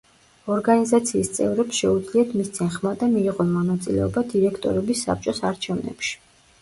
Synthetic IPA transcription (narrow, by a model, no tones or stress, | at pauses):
ɔɾɡanizat̪sʰiːst̪sʼɛ̰vɾɛpsʃɛud̪zliat̪ʰmist̪sʰinχmad̪amiːʁɔnmɔnat̪sʼilɛɔbad̪iɾɛkʰt̪ʼɔ̰ɾɛbisːa̰p̚t͡ʃʼɔsaɾt͡ʃʰɛvnɛ̰pʃi̥